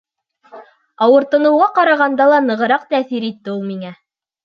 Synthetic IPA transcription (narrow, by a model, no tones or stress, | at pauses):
ɑwɤ̆ɾt̪ɤ̆nɤ̆wʁɑqɑɾɑʁɑnd̪ɑlˠɑnɤ̆ʁɤ̆ɾɑqt̪æθiɾit̪ːɘulˠmiŋæ